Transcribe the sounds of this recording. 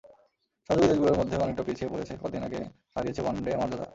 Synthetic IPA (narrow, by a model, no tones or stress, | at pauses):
ʃad͡ʑubid̪eɾɡuloɾmod̪ʱːeɔnek̚ʈapit͡ɕʰiepo̰let͡ɕʰekɔd̪ina̰kḛ | ʃaɾiet͡ɕʰebaɳɖeamaɾd͡ʑad̪a̰